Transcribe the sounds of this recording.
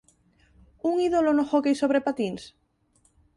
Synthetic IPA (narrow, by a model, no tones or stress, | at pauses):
uŋiðolonoxokejsoβ̞ɾepat̪ins